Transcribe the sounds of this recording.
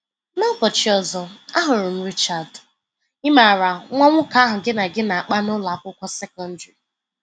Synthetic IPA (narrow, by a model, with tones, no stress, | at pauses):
nɔ˦kɔ˨t͡ʃi˨ɔ˨zɔ˨a˦ɦʊ˨ɾʊ˨n̩˦ɾi˦t͡ʃa˨d | ɪ˦ma˨ɾa˨ŋʷa˦ŋʷʊ˦ka˦ɦʊ˨ɡɪ˦na˨ɡɪ˦na˨a˨k͡pa˦nʊ˦la˨a˨kʷʊ˦kʷɔ˦sɛ˦kɔ˦n̩˦di˨